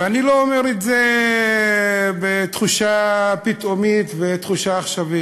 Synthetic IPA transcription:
eaniloomeʁetze | bet̪χuʃapit̪omit̪vet̪χuʃaːχʃavi

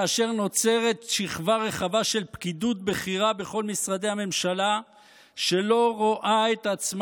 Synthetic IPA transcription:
aʃe̞ʁno̞t͡se̞ʁe̞t̪ʃiχvaʁe̞χavaʃe̞lpkidut̪̚beχiʁabe̞χo̞lmisʁad̪e̞hame̞mʃala | ʃe̞lo̞ʁoʔaet̪at͡sm

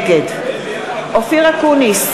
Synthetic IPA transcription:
ɡed̪ | ofiʁakunis

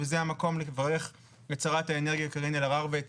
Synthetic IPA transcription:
vezeamako̞mlevaʁe̞χ | jat͡saʁathaeneʁɡijakaʁinilaʁaʁvet

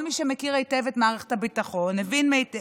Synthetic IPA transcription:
lmiʃemekiʁejtevetmaːʁeχe̥thabitaχo̞nːevinmejt

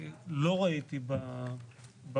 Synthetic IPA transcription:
loʁait̪iba | b

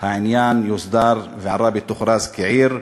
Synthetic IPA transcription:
haʕɪnjaːnjʊsd̪ɑːɾˤvʕɑɾˤɑːbɪt̪ːʊxɾˤɑːzkaʕiːɾ

